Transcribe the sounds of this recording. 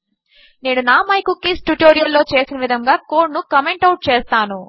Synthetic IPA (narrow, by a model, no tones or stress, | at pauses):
ne̞ːnunaːmɐjkukːisʈuʈo̞ːɾijɐlːo̞ːt͡ʃe̞ːsinɐʋid̪ʱɐŋɡaːko̞ːnukɐmeɳʈɐwʈ̚t͡ʃeːst̪aːnu